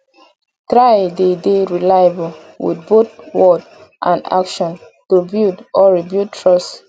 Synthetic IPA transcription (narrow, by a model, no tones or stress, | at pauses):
tɹajdedeɹilajabɔl | wḭdbotwɔd | ʔã̰na̰kʃɔ̃n | tubidɔɹibjud̚tʰɹɔst